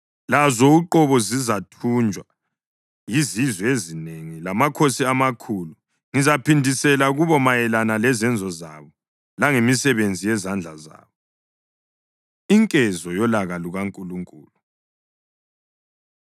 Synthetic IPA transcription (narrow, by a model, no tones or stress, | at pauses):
lazɔuǃɔβɔzizatʰund͡ʒʱwa | jizizwɛezineŋilamakʰosiamakʰulu | ŋizapʰindʱisɛlaɣuβɔmajɛlanalɛzɛnd͡zʱɔzaβɔ | laŋemisɛβend͡zʱijɛzand͡ɮʱa̰za̰ːβɔ | iŋkʼɛzɔjɔlaɣaluɣaŋkʼuluŋkʼṵːlu